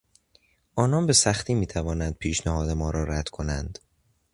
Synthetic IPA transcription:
ʔɒːnɒːnbe̞sæxt̪ʰiːmiːt̪ʰævɒːnænd̪̥̚pʰiːʃnæhɒːd̪e̞mɒːɾɒːɾæd̪̥kʰo̞nænd̪̥

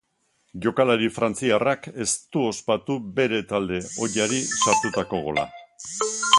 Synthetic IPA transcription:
ʝo̞kalaɾifɾant͡siarake̞st̪uo̞spat̪ube̞ɾe̞t̪ald̪e̞o̞ʎaɾisaɾt̪ut̪ako̞ɣo̰la̰

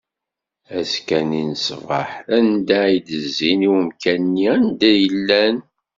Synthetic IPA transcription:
æskæninəsvʁə̰ħænd̪æid̪əzːiniwəmkænːiænd̪æjəlːæn

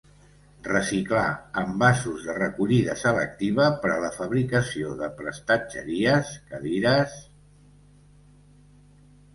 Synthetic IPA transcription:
rəsiklaəmbasuzðərəkuʎiðəsələ̰k̚t̪iβ̞əpəɾələfəβɾikəsioðəpɾəst̪ad͡ʒə̰ɾiəskəðiɾəs

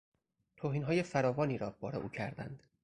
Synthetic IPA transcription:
t̪ʰoːɦiːnɦɒːjefæɾɒːvɒːniːɾɒːbɒːɾeʔṵːcʰæɾd̪æ̰nd̪̥

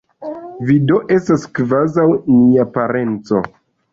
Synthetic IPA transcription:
vido̞ʔe̞staskvazawniapaɾe̞nt͡so̞̰

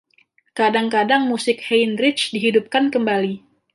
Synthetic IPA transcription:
kadaŋkadaŋmusɪk̚hejnɾɪt͡ʃdiɦidup̚kankəmbali

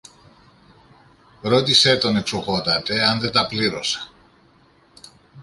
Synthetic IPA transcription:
ɾo̞t̪iset̪o̞neksuɣo̞t̪ɐt̪e̞ɐnðe̞t̪ɐpliɾo̞̰se̥

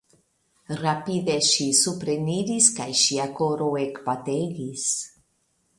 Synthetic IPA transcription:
rapideʃisupɾeniɾiskajʃiakoɾoekpat̪eɡis

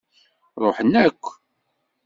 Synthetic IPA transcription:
ɾˤoħənːækʷː

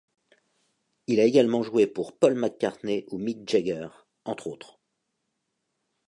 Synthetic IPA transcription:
ilaeɡalmɑ̃ʒuwepuʁpɔlmakːaʁneʔumid͡ʒɛɡɛʁ | ɑ̃t̪χot̪χ

